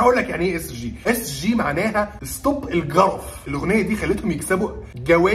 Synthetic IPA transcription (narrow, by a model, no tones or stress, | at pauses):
æʔuːlːækjaʕniʔeʔesʒiːʔesʒiːmaʕnæːɦæest̪obelɡɑɾˤɑfelʔoɣnejːæd̪iːxælːet̪homjeksæbuɡæwæː